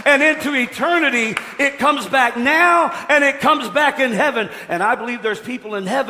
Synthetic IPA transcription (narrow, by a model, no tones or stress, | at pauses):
ɨ̃nɪ̃ntʉɨtʰɜ˞nɨɾi | ɪt̚kʰʌ̃mzbæk̚naʊɨ̃nɪt̚kʰʌ̃mzbækɨ̃nɦɛvɨ̃n | ʔɨ̃ñaɪbəlivðə˞z̥pʰipl̩ˠə̃nhɛv